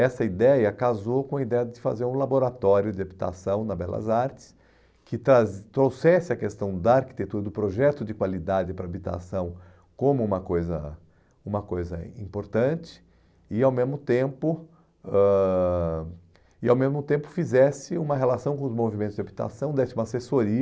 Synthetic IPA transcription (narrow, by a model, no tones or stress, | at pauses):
ɛsɐid̪ɛjɐkazokõɐid̪ɛjɐd͡ʒɪfa̰zeɾũlaboɾat̪ɔɾjʊd͡ʒɪabit̪a̰sɐ̃w̃nɐbɛlɐ̰zaɾt͡ʃɪ̥s | kɪt̪ɾazt̪ɾowsɛsɪɐkest̪ɐ̃w̃d̪ɐaɾki̥t̪et̪uɾɐd̪ʊpɾoʒɛt̪ʊd͡ʒɪkwalid̪ad͡ʒɪpɾɐabit̪a̰sɐ̃w̃ | kõmʊũmɐkojzɐ̰ | ũmɐkojzɐ̰ĩmpoɾt̪ɐ̃t͡ʃɪ̥ | ɪawmezmʊt̪ẽmpʊ | ɛ | ɪawmezmʊt̪ẽmpʊ̥fizɛsɪũmɐɦelasɐ̃w̃kõʊzmovimẽnt̪ʊzd͡ʒabit̪a̰sɐ̃w̃d̪ɛsumasesoɾiɐ